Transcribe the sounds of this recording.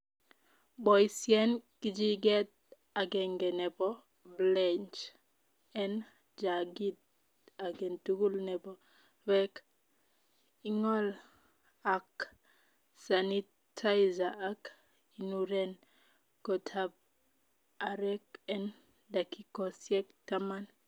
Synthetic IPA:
bɔjsjɛnkid͡ʒiɡɛt̚ | aɡɛŋɡɛnɛbɔ | blɛnt͡ʃ | ɛn | d͡ʒaɡit̚ | aɡɛntuɡulnɛbɔ | wɛk | iŋɔl | ak | sani | tʰajzaːk | inuɾɛn | kɔtʰab̚ | aɾɛkɛn | dakikɔsjɛktaman

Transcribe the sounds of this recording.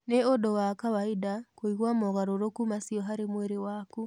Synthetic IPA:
neodowakawaidakoiɣwamɔɣaɾoɾokumasiɔɦaɾemweɾewaku

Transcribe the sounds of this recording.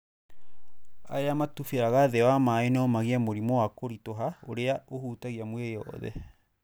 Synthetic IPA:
a̰jamatufeaɣaðɛwamaenɔmaɣiamoɾimoakoɾitoɦao̰ɾeaohuːtaɣiamweɔ̰ðɛ̰

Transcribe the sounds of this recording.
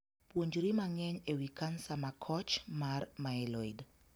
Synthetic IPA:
pwoɲd͡ʒɾimaŋɛɲewikansamakʰɔt͡ʃmarmaɛlɔid

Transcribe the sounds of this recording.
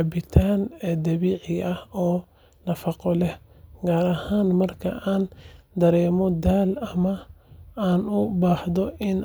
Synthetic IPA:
ɐbɪt̪ʰaːnɛːd̪ɐβiːʕɪɐhɔː | nɐfɑqɔlɛhɡaːɾɐhaːnmɐrkʰɐ̰ʔaːnd̪ɐɾɛːmɔd̪aːlɐmɐaːnʊbaːħd̪ɔʔɪn

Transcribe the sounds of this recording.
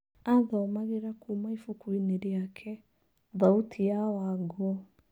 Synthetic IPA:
aðɔmaɣeɾakuːmaifukwineɾjakʰɛ | ðautʰijawaɡoɔ

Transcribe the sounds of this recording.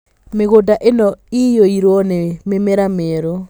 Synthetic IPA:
meɣodaʔenɔijoiɾwɔnememɛɾameɾo

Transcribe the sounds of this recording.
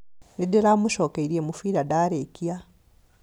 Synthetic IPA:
nideɾamuʃokeiɾiemufiːɾadaːɾekia

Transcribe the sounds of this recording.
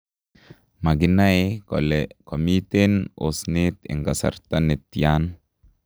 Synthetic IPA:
maɡinaelkʰɔmit̪enosnit̪ɪ̰ŋɡasa̰ɾt̪anet̪ːijan

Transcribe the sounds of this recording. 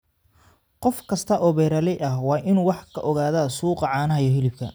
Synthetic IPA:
qɔfkʰɐst̪ʰɐʔɔːβɛːɾɐlɛʔɐhwɑːʔɪnwɑħkʰɐʔɔɣaːðɐsuːqɑʕɑːnɐɦɐjɔɦɪlɪb̚kʰɐ̰

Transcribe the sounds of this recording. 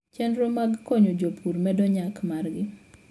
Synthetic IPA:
t͡ʃɛndɾomaɡkɔɲod͡ʒopʰuɾmɛdɔɲakmarɡɪ

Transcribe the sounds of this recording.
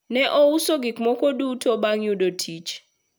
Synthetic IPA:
nɛʔousɔɡikʼmɔkʰʼoɗutʰɔɓaŋuɗɔtʰit͡ʃʰ

